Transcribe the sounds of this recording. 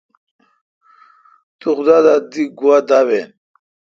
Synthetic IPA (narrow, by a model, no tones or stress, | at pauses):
t̪uxud̪ad̪ad̪iɡuwad̪awen